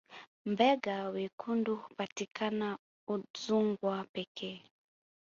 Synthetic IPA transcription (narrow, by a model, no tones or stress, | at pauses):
m̩bɛɡawekʰundupatikʰana | uzuŋɡwapɛkʰɛ